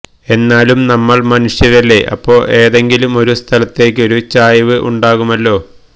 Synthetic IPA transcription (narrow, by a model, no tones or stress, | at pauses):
e̞nːaːlumnɐmːɐɭmɐnuʂjɐɾɐlːe̞ʔɐ̰pːo̞ːɭe̞ːðe̞ŋɡilumo̞ɾust̪ʰɐlɐt̪ːe̞ːk̬ʲːɨo̞ɾut͡ɕaːjɐʋɨʔṵɳɖaːɣumɐlːo̞ː